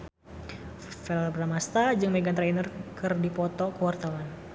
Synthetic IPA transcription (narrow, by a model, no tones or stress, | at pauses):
fɛlbɾamast̪ad͡ʒɨŋmɛɡant̪ɾɛnərkɨrdipɔt̪ɔkuwart̪awan